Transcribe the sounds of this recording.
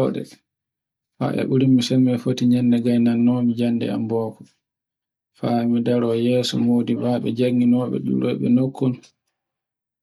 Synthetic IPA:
ɔɗɛ̰ | fa̰ʔɛ̰ɓuɾimːisɛmːɛfotiɲɛnːdɛɡajnanːɔmid͡ʒanːdɛ̰a̰mbɔːkɔ | famidaɾɔːjɛːsɔmoːdibaːɓɛ̰d͡ʒaŋɡinɔːɓɛ̰ɗṵɾɔ̰jɓɛ̰nokʰːun

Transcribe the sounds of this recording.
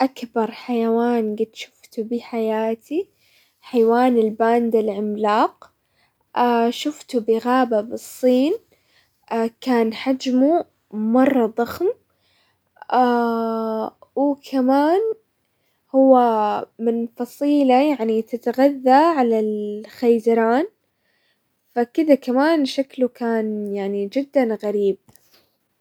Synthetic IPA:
ʔakbɑɾˤħajawaːnɡɪd̪ʃʊ̥ft̪ubɪħajaːt̪i | ħajwaːnɪlbaːnd̪alʕɪmlaːq | aʃʊft̪ubɪɣaːbabɨsˤːiːn | kaːnħad͡ʒmu | mɑrˤːɑd̪ˤɑxm | a | wkʰamaːn | hʊwːamɪnfɑsˤiːlajaʕnit̪ɪt̪ɣaðːaʕalalxajd̪ɑɾˤɑːn | fakɪd̪akamaːnʃaklukaːnjaʕnid͡ʒɪd̪ːanɣaɾiːb̚

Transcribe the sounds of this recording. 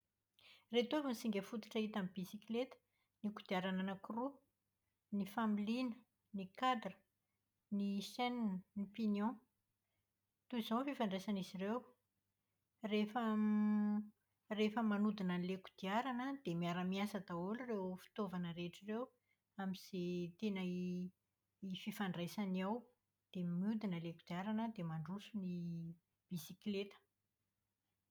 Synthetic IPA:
ret̪ovənisiŋɡʲəfut̪u̥ʈ͡ʂaɦit̪amibisiklet̪ə̥ | nikud̪iaɾananakuru | nifamilinə | nikad̪rə̥ | nisɛnnnipinjɔ̃ | t̪uizãnfifaɳɖ͡ʐesanizirew | refə | refəmanud̪inəleku̥d̪̥iaɾanəd̪̥emiaɾamiasət̪aolurewfi̥t̪ovanəɾeʈ͡ʂirew | amiz̥et̪enə | ififaɳɖ͡ʐajsaniaw | d̪̥emiud̪inəlekud̪iaɾanəd̪emaɳɖ͡ʐusuni | b̥isiklet̪ə̥

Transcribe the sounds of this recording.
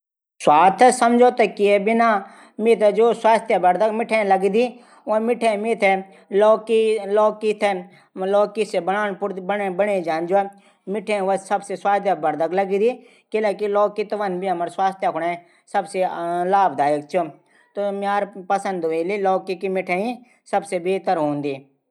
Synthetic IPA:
swaːt̪ʰsɐmd͡ʒoːt̪ɐkiebɪna | mɪt̪d͡ʒoːswaːst̪ʰjabɐɾd̪əɡmɪʈʰẽlɐɡid̪i | ʋõmɪʈʰemɪt̪ʰe | loːkiloːkːit̪ʰe | loːkːisebənaːnpʊɾbebɐɳed͡ʒãːnd͡ʒo | mɪʈʰẽʋəsɐbseswaːst̪jabɐɾd̪əɡlɐɡid̪i | kɪlekilɔːkːit̪ɐʋənbʱiɐməɾswaːst̪ʰjakʰʊɽe | sɐbselaːbd̪aːjək̚t͡ʃʰu | t̪omaːɾpɐsə̃nd̪oelilɔːkːikimɪʈʰeĩ | sɐbsebeːt̪əɾɦõːnd̪iː

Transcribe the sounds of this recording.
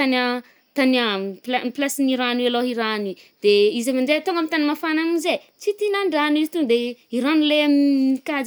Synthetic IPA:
t̪anə | t̪anaplaplasiniɾanaloɦiɾani | d̪̥eizamanɖ͡ʐet̪oŋɡamit̪animafanamize | t͡sit̪inaɳɖ͡ʐanizit̪uŋd̪eiɾanilemikad͡z

